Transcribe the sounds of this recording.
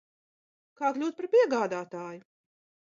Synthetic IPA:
kaːklʲuːt̪̚paɾpʲiɛɡaːd̪aːt̪aːjʊ

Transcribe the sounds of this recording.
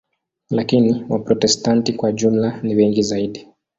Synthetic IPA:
lakiniwapɾɔtɛstantikwaʄumlaniwɛŋɡizaiɗi

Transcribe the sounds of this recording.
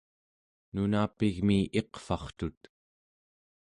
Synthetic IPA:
nunaːpiɣmiʔe̞qfɑχt̪ut̪

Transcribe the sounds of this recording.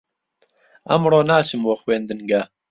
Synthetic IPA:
ɐ̰mroːnaːt͡ʃʰɨmwoːxweːnd̪ɨnɡa

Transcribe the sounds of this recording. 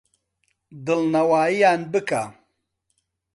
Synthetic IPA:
d̪ɨlnɐwaːijaːnbɨka̰

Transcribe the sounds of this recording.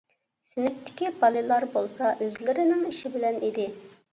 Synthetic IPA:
sɪnɪk̚ʲt̪ʰːɪ̥kʲibɑlˠɨlˠɑɾbolˠsɑʔøzlɪɾɪnɪŋiʃibɪlɛnid̪ɪ

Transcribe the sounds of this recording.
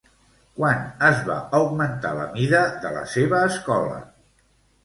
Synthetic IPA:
kwanəzβa̰əwɡmənt̪a̰lə̰miðəðələ̰seβəːskɔlə̰

